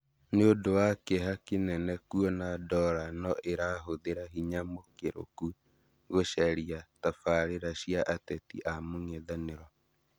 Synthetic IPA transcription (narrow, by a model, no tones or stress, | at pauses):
neodowakeɦakenɛnɛkwɔnadɔɾanɔʔeɾaɦoðeɾaɦiɲamokeɾo̰ku | ɣoʃɛɾiatafaɾeɾaɕiaʔatɛtḭʔamoŋɛðaneɾɔ